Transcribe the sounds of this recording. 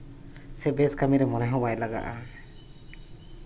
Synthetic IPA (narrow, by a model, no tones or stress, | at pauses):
sɛbɛskamiɾɛmɔnɛɦɔ̃wajlaɡa̰ʔa̰